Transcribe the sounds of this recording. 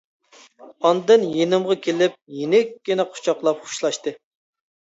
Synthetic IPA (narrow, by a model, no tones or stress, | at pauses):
ɑnd̪ɨnjenɨmʁɑkʲʰelɪp̚jenɪkʲːinɛqʰʊ̥t͡ʃʰɑqlˠɑp̚χʊ̥ʃlˠɑʃt̪ɨ